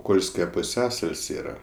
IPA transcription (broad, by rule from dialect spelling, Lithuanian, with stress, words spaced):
ˈkoːlʲsʲkʲɛ pʊˈsʲæːsɐlʲsʲ ˈiːrɐ